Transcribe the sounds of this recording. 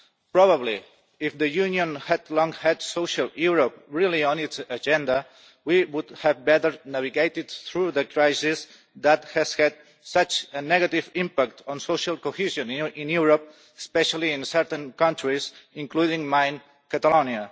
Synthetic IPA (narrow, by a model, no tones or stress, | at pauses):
pɾɔβəbli | ifðəjuniõnhɛd̪lɔ̃ŋhɛd̪soʃalˠjuɾop̚ɹilˠiɔ̃nitsəd͡ʒɛ̃nd̪ə | wiwud̪hɛvbɛt̪əɾnaviɡejt̪id̪̚θɾuðəkɾajsis | ðət̪hɛz̥hɛd̪ | sʌt͡ʃənɛɣat̪ivĩmpak̚t̪ɔ̃nsoʃalˠkohiʒõnĩnjuɾop̚ | espɛʃalˠĩːnsɛɾt̪ə̃nkʌ̃nt̪ɾizĩŋkluðĩŋmãjn | kat̪əlonia